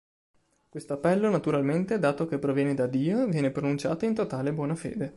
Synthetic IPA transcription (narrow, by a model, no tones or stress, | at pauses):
kwest̪oapːɛlːonat̪uɾalment̪ed̪aːt̪okepːɾovjɛːned̪ad̪iːovjɛːnepɾonunt͡ʃaːt̪oint̪ot̪aːlebwɔːnafḛːd̪e